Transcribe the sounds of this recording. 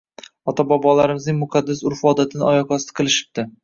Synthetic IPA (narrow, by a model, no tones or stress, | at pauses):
ɒt̪ʰabɒbɒlaɾɪmɪznɪŋmʊqʰɑd̪ːɪsʊɾfɒd̪at̪ʰɪnɪʔɒjɒkɒst̪ɪ̥qʰɨlˠɪʃɪ̥b̚d̪ɪ